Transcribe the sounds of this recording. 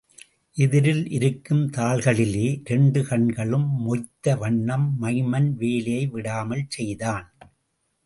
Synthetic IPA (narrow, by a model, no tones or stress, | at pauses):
ʔɪðɪɾɪlʔɪɾɯkːɯmt̪aːɭɣɐɭɪleːɾɛɳɖɯkɐɳɡɐɭɯmːɔt̪ːɐʋɐɳːɐmːɐɪmɐnʋeːlɐjɐɪʋɪɽaːmɐlt͡ʃɛjðaːn